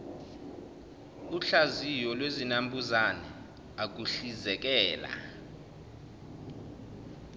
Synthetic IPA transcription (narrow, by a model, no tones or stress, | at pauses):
uɬazijɔlwezinambʱuzanɛ | ak̬uɬizɛk̬ɛːla̰